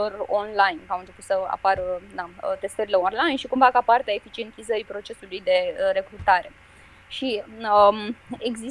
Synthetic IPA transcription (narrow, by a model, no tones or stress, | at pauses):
oronlajnkawɨnt͡ʃe̞put̪səa̰paɾd̪aət̪e̞st̪eɾile̞onlajnʃikumvakapart̪eaefit͡ʃie̞nt̪izəɾipɾo̞t͡ʃe̞sulujd̪e̞ɾe̞kɾut̪aɾe̞ | ʃiəeɡzi